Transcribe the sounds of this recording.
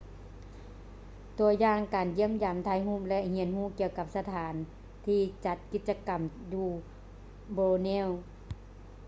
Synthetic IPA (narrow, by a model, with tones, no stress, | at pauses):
t̪u˨˧ɐəjaː˧˨ŋkaː˨nji˧˥əmjaː˨˩mt̪ʰaː˧˩jɦuː˧˥˩mlɛ˧ʔhi˧˦ənhuː˧˥˨ki˧ə˧wka˧˥p̚sa˧t̪ʰaː˨˦n | t̪ʰiː˧t͡ɕa˧˦t̪̚ki˧t̪̚t͡ɕa˧ka˨˩mjuː˧ | boː˧nɛː˧˥˨w